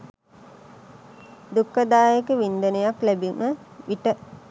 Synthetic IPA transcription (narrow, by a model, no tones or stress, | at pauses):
d̪ukːəd̪aːjekəʋind̪ənəjaklæbiməʋiʈə